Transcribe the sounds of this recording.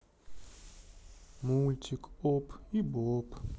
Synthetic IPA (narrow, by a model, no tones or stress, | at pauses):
multʰikɔpʰibɔpʰ